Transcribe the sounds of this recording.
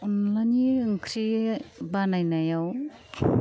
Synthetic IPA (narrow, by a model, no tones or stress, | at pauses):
ɔnlajniɯŋkʰɾibanajnajaw